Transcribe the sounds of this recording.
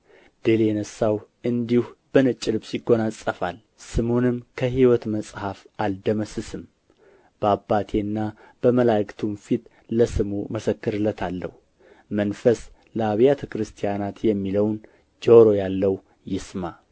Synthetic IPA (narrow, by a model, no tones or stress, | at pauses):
d̪ɨljɛnəsːawʔɨnd̪ihb̥ənɨt͡ʃʼːɪlɨbsiɡo̞nasʼəfal | sɨmonɨmːkʰəɦiwɔt̪məsʼhafʔald̪əməsɨsɨm | b̥əabːat̪ʰenːa | b̥əməlakt̪ʰunfit̪ | ləsɨmuməsəkːɨɾɨlːət̪ʰalːə̰hu | mənfəs | ləaβijat̪ʰəkɾɨst̪ʰijanat̪jɛmːiləwn | d͡ʒoɾo̞jalːəw | jɪsma